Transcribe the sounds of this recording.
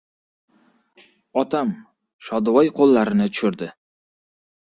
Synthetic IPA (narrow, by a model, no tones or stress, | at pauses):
ɒt̪ʰam | ʃɒd̪vɒjqʰolˠːaɾɪnɪt̪ʰʊ̥ʃʊɾd̪ɪ